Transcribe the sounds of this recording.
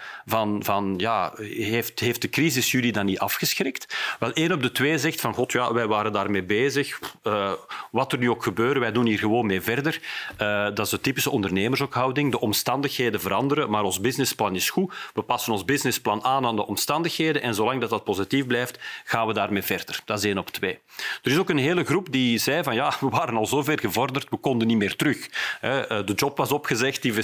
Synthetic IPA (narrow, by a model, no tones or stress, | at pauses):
vɑnvɑnjaːeftɦeft̚dəkrizɪsjylidɑnːiɑfxəsxrɪktʋɛlˠeːnɔb̚dətweːzɛxtfɑnɣɔtʰjaːʋɛjʋaːɾəndaːrmeːbeːzəxəʋɑtərnyoːkxəbøːɾəʋɛjdunɦiːrɣəʋoːnmeːvɛrdərədɑtɪzdətipɪsəɔndərneːmərzokɦɑwdɪŋdəʔɔmstɑndəxɦeːdəvəɾɑndəɾəmaːɾɔnzbɪznɪsplɑnɪsxuʋəpɑsənɔnzbɪznɪsplɑnaːnaːndəʔɔmstɑndəxɦeːdənʔɛnzoːlɑŋdɑtdɑt̚pozitifblɛjftɣ̥aːnʋədaːrmeːvɛrdərd̥ɑtzeːnɔptweː | d̥əɾɪzoːkənɦeːləɣrupdizɛjvɑnjaːʋəʋaːɾənɑlˠzoːvɛrɣəvɔrdərtʋəkɔndənimeːrtəɾɵxɦɛdəd͡ʒɔpʋɑzɔpxəzɛxt̚div